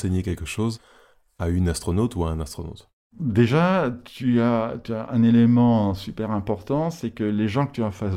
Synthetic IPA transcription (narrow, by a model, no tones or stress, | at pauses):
seɲekʲɛlkəʃoz | aynast̪χɔnot̪uaɛ̃nast̪χɔno̰t̪ | d̪eʒat̪yat̪yaʔɛ̰̃nelemɑ̃sypɛʁɛ̃pɔʁt̪ɑ̃sɛkəleʒɑ̃kə̥t̪yɔ̃fa